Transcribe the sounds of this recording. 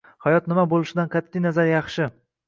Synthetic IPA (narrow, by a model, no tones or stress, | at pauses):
hajɒt̪nɪmabolˠɪʃɪd̪ankʰat̪ʰːɪnazaɾjɑχʃɪ